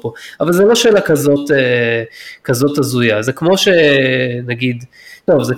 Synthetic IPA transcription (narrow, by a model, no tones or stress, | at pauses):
poavalzelo̞ʃeːlakazo̞te | kazo̞tazujazekmo̞ʃenaɡid̪ | tovze